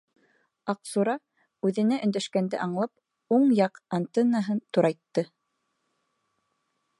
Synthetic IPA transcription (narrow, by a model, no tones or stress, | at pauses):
ɑqsuɾɑ | ʉðɘ̆næʔɵ̆nd̪æʃkænd̪ɘ̰ʔɑɴlˠɑp | uɴjɑqant̪enːaɦɤnt̪uɾɑjt̪ːɤ